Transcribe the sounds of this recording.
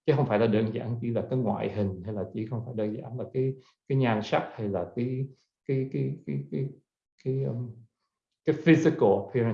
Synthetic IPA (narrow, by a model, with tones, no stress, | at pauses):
t͡ɕə˨˦xə˧wŋ͡mfaː˧˩jlaː˨˩ɗəː˧nza̰ː˧˥nt͡ɕḭ˧˩laː˨˩kaː˨˦jŋwa̰ː˧˨jɦï˨˩ŋ̟ha˧jlaː˨˩t͡ɕḭ˧˩xə˧wŋ͡mfaː˧˩jɗəː˧nza̰ː˧˩˦nlaː˨˩kaː˨˦j | kaː˨˦jɲaː˨˩nsa˦˥t̚ha˧jlaː˨˩kaː˨˦j | kaː˨˦jka˨˦ka˨˦ka˨˦ | kaː˨˦ə˧ | kaː˨˦jfi˧zi˧kə˧lʔə˨˩pʰi˧ɹə˨